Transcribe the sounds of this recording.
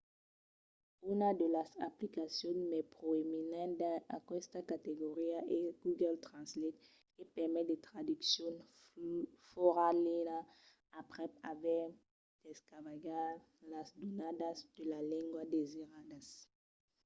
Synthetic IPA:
ynad̪əlasaplikasjɔ̃nmɛpʁoeminãd̪aakwɛst̪akat̪eɡoʁiaʔeɡ̥uɡɛlt̪ʁɑ̃slɛt̪ | epɛʁmɛd̪et̪ʁad̪yksjɔ̃n | foʁalɛna | apʁɛavɛ | d̥ɛskavaɡa | lasd̪onadasd̪əlalɛ̃ŋɡwad̪eziʁad̪as

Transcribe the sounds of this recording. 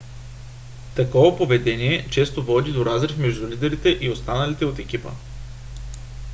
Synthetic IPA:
t̪ɐkɔvɐpovɛd̪ɛniɛt͡ʃɛst̪ovɔd̪id̪oɾazɾɛfmɛʒd̪ulid̪ɛɾit̪ɛʔiost̪anɐlit̪ɛot̪ɛk̟ʲipə̰

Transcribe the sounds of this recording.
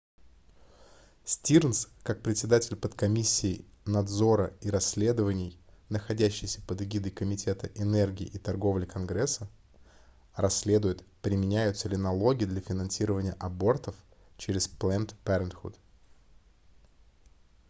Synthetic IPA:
sʲtʲirnskak̚pɾʲɪtʲsʲɪd̪atʲɪlʲpət̪kɐmʲisʲːɪː | nɐd̪zo̞ɾəiɾɐsʲːlʲe̞d̪əvənʲɪjnəxɐdʲæɕːɪjsʲə̥pəd̪ɪɡʲid̪əjkəmʲɪtʲʰe̞t̪əʔɪnɛrɡʲɪɪʔit̪ɐrɡo̞vlʲɪkɐnɡɾɛsːə | rɐsʲːlʲe̞d̪ʊjɪt̪pɾʲɪmʲɪnʲæjʊt̪səlʲɪnɐlˠo̞ɡʲɪd̪lʲɐfʲɪnɐnsʲiɾəvənʲɪjəʔɐbo̞rt̪əf | t͡ɕɪɾʲɪsplˠɛnt̪pʲɛɾʲɪnt̪xṵt̪

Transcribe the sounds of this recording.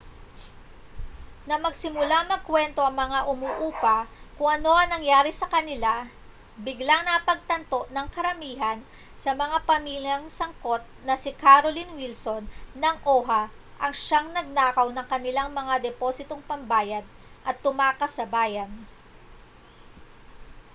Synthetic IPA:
nɐmɐɡsɪmʊlamɐɡ̚kwɛnt̪o̞ʔɐŋmɐŋaʔʊmuːʔuːpɐkʊŋʔɐno̞ʔɐŋnɐŋjaːɾɪsɐkɐnɪla | bɪɡlaŋnɐpɐɡ̚t̪ɐnt̪o̞ʔnɐŋkɐɾɐmiːɦɐn | sɐmɐŋapɐmiːljɐŋsɐŋko̞t̪̚nɐsɪkaɾolinwilso̞nːɐŋʔo̞ːɦɐ | ʔɐŋʃaŋnɐɡ̚naːkɐwnɐŋkɐnɪlaŋmɐŋad̪ɛposɪt̪oŋpɐmbaːjɐd̪̚ | ʔɐt̪ːʊmaːkɐsɐbaːjɐn

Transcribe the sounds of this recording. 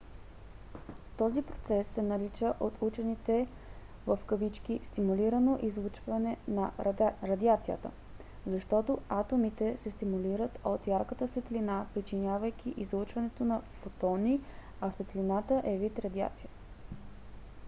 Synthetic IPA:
t̪ɔzipɾo̥t̪sɛsːɛnɐlit͡ʃəʔot̪ut͡ʃɛnit̪ɛ | vəfkəvit͡ʃk̟ist̪imuliɾənoʔizlˠut͡ʃvɐnɛnɐɾɐd̪iat̪sijə̰t̪ə̰ | zɐʃt̪ɔt̪oat̪omit̪ɛsɛst̪imuliɾət̪ot̪jaɾkət̪əsvɛt̪linapɾit͡ʃinjavəjk̟ʲiʔizlˠut͡ʃvɐnɛt̪onɐfot̪ɔniɐsvɛt̪linat̪əʔɛvit̪ɾɐd̪ia̰t̪sijət̪

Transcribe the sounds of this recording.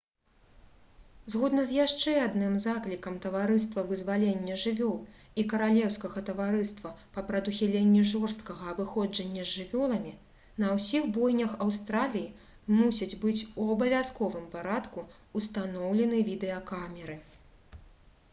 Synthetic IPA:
zɣɔd̪nɐzʲjaʂt͡ʂɛad̪nɨmzaklʲikɐmt̪ɐvaɾɨst̪vɐvɨzvalʲenʲːɐʐɨvʲɔlˠ | ikɐɾalʲɛwskɐɣɐt̪ɐvaɾɨst̪vɐpɐpɾɐd̪uxʲɛlʲenʲːɛʐɔrst̪kɐɣɐːbɨxɔd͡ʐɐnʲːɐzʲʐɨvʲɔlˠɐmʲi | nɐwsʲiɣbɔjnʲɐxɐwst̪ɾalʲiji | musʲid͡zʲbɨt͡sʲuɐbɐvʲaskɔvɨmpaɾat̪ku | ust̪anɔwlʲɛnɨvʲid̪ɛɐkamʲɛɾɨ

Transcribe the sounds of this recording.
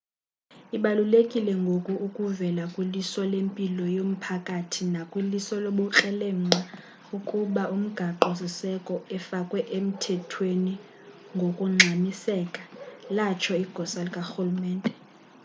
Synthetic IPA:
iɓalulekʼilɛŋɡʱokʼuʔukʼuvɛlakʼwilisɔlempʼilɔjom̩pʰakʼatʰinakʼwilisɔloɓɔǁɛlɛŋ͡ǀa | ukʼuɓaʔum̩ɡ̥ʱaǃɔs̬isɛkʼɔɛfakʼwɛʔem̩tʰɛtʰweni | ŋɡʱokʼuŋ͡ǁʱanisɛːkʼḁlat͡ʃʰɔiɡ̥ʱɔsalikʼaxulumɛːntʼɛ

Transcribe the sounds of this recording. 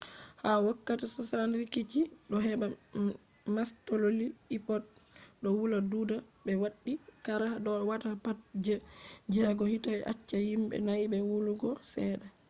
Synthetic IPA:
hawakːatɛsɔsanɾikit͡ʃiɗɔɦɛba | mastololiipɔt̚ɗɔwuladuːdabɛwaɗːikaɾahaɗɔwatapat̚d͡ʒɛd͡ʒɛɡɔhitaʔa̰t͡ʃːahimbɛ̰najbɛwuluɡɔsɛɗa

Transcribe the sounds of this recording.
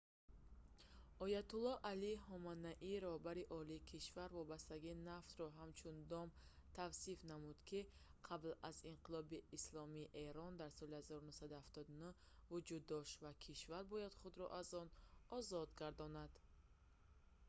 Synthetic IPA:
ɔjat̪ulːɔʔalihɔmanːaʔiɾɔhbaɾiʔɔliːkʰiʃvaɾvɔbast̪aɡiːnaft̪rɔɦamt͡ʃʰund̪ɔm | t̪ʰavsifnamud̪̥kʰiqʰablazinqʰilɔbiːslɔmiːʔeɾɔnd̪aɾsɔlihazɔɾunusad̪uhaft̪ɔd̪unu | vud͡ʒud̪ːɔʃt̪vakʰiʃvaɾbɔjad̪χud̪ɾɔ̰ʔazɔnɔzɔd̪ɡaɾd̪ɔnad̪̥

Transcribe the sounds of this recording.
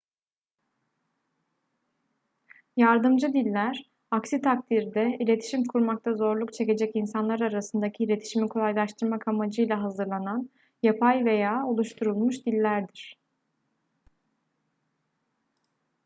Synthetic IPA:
jaɾd̪ɯmd͡ʒɯd̪ilʲːæɾ | aksit̪ʰakt̪ʰiɾd̪ɛilʲe̞t̪ʰi̥ʃimkʰuɾmak̚t̪ʰazo̞ɾlˠukt͡ʃʰe̞ce̞d͡ʒɛcinsanlˠaɾaɾasɯnd̪acʰiiːlʲe̞t̪ʰi̥ʃimikʰo̞lˠajlˠaʃt̪ʰɯɾmakʰamad͡ʒɯjlʲˠaɦazɯɾlˠanan | japʰajve̞jaːolˠuʃt̪ʰuɾulˠmuʃd̪ilʲːæɾd̪iɾ̝̥

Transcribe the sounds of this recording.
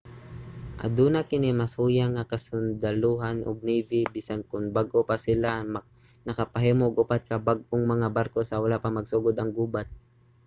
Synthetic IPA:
ʔa̰d̪uːnakɪnimashuːjaŋːakɐsʊnd̪aluɦanʔʊ̰ɡ̚niːbɪbiːsankʊŋbaɡʔopasɪlam | nɐkapaɦɛːmoʔːɡʊpat̪̚kɐbaɡʔoŋmɐŋabaɾkosɐwalapamɐɡsuːɡʊd̪ɐŋɡuːbat̪̚

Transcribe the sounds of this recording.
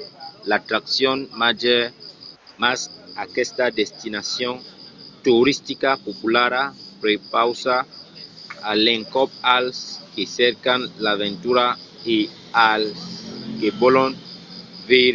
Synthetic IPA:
lat̪ɾaksjonmad͡ʒe | masakest̪ad̪est̪inasjont̪uɾist̪ikapopulaɾapɾepawsa | alẽŋkɔp̚alskesɛɾkanlavẽnt̪uɾae | alskebolon | veɾ

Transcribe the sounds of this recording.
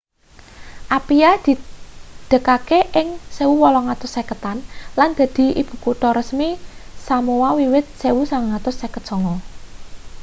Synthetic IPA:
ʔapijad̪̥i̤d̪̥ə̤kakeʔɪŋsewuwɔlɔŋat̪ʊsɛkət̪anland̪̥a̤d̪̥i̤ḭb̥ṳkuʈɔɾəsmisamuwawiwɪt̪̚sewusaŋŋat̪ʊsːɛkət̪̚ʒ̥ɔ̤ŋɔ

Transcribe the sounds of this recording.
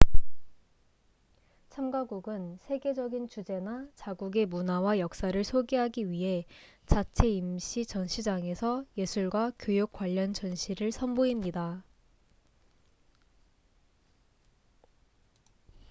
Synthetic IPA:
t͡ɕʰamɡaɡuɡɯnsʰe̞ɡe̞d͡ʑʌɡint͡ɕud͡ʑe̞nat͡ɕaɡuɡe̞munawajʌk̚s͈aɾɯɭsʰoɡeɦaɡiɥiɦe̞t͡ɕat͡ɕʰe̞imɕʰit͡ɕʌnɕʰid͡ʑaŋe̞sʰʌje̞sʰuɭɡwakjojok͈waʎːʌnt͡ɕʌnɕʰiɾɯɭsʰʌnboimɲida

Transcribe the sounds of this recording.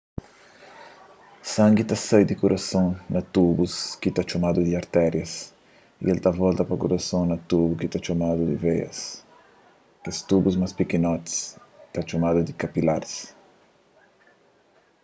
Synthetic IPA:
sãŋɡit̪asɛjd̪ikuɾʔasõŋnɐt̪ubuskit̪at͡ʃomad̪ud̪iaɾt̪ɛɾjɐs | ḭʔelt̪avɔlt̪ɐpɐkuɾasõŋnɐt̪ubukit̪at͡ʃomad̪ud̪ḭvejɐ̰s | est̪ubuzmaspikinɔt̪st̪at͡ʃomad̪ud̪ikapilaɾs

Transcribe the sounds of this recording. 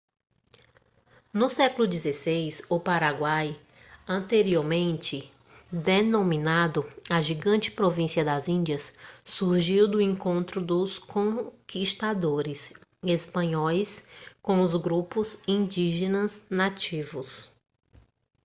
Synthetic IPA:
nʊsɛkʊlʊd͡ʒizesejsʊpaɾaɡwaj | ɐ̃nt̪eɾioɾmẽnt͡ʃɪ | d̪enõmĩnad̪ʊɐʒiɡɐ̃t͡ʃɪ̥pɾovĩsiɐd̪ɐzĩnd͡ʒɐsːuɾʒiwd̪ʊẽŋkõnt̪ɾʊd̪ʊskõkiʃt̪ad̪oɾɪsespɐ̃ɲɔjskõw̃ʊzɡɾupʊzĩnd͡ʒiʒẽnɐznat͡ʃivʊs

